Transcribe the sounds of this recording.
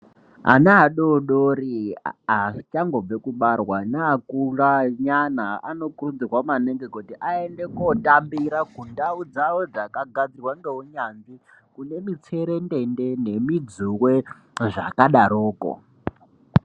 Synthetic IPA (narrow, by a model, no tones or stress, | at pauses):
ɦa̰naɦaɗoɗoɾiat͡ʃaŋɡob͡vekuɓarwanaakuɺaɲanaa̰no̞kurund͡zirwamaneŋɡekotiʔaendekotambiɾakundaud͡zawod͡zakaɡʱad͡zirwandouɲand͡zi | kune̞mit͡sʰeɾendendene̞mid͡zuwe | ʐa̰kaɗaɾoːko̰